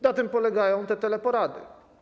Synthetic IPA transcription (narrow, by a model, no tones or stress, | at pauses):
nat̪ɘmpɔlɛɡajɔ̃w̃t̪ɛt̪ɛlɛpɔɾad̪ɘ̰